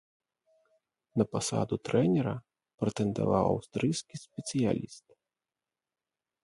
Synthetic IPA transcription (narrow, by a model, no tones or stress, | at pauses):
nɐpasa̰d̪ut̪ɾɛnʲɛɾɐ | pɾɛt̪ɛnd̪a̰vawa̰wst̪ɾɨjskʲisʲpʲɛt̪sɨja̰lʲist̪̚